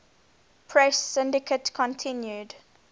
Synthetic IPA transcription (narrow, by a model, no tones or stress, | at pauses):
pʰɹɛsːɪ̃ndɪkʰətkʰɔ̃ntʰɪ̃njud